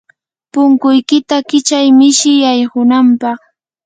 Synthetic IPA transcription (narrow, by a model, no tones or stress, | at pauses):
pʊŋkʊjkɪt̪akɪt͡ʃajmɪʃɪjajhʊnampɑχ